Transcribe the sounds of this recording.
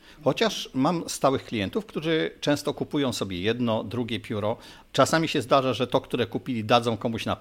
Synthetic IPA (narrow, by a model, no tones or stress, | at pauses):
xɔt͡ɕaʂmamst̪awɘxklʲijɛnt̪ufkt̪uʐɘt͡ʂɛ̃w̃st̪ɔkupujɔ̃w̃sɔbʲjɛjɛd̪nɔd̪ɾuɡʲɛpʲjuɾɔ | t͡ʂasamʲiɕɛzd̪aʐaʐɛt̪ɔkt̪uɾɛkupʲilʲid̪ad̪zɔ̃w̃kɔmuɕna